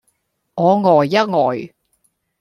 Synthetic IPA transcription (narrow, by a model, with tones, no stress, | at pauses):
ŋɔː˨˧ŋɔː˨˩jːɐ˥t̚ŋɔː˨˩j